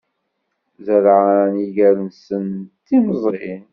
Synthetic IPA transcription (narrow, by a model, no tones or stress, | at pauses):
zəɾʕaniʝæɾənsənt̪ːiməzˤɾin